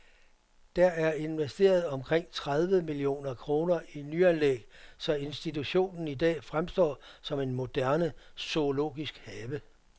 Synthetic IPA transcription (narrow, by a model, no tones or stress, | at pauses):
d̥æɐæɐe̝nʋesd̥e̝̰ːɐð̞̩ˠɒ̽mkʰʁeŋ̰t͡sʰʁað̞ˠʋəmilio̝̰ːnɐkʰʁo̝ːnɐʔinyænleɡ̥sɒ̽e̝nsd̥it͡sʰuɕo̝̰ːnn̩idɛ̰ːfʁamsd̥ɒ̰ːsɒ̽me̝nmo̝d̥æɐnəso̝lo̝̰ːɡ̥isɡ̥hɛːʋə